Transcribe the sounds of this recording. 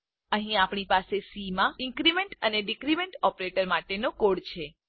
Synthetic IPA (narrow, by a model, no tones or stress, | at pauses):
əɦĩapɳipasesimãɪ̃ŋkɾimẽɳʈəneɖikɾimẽɳʈɔpɾeʈəɾmaʈenokoɽt͡ʃʰe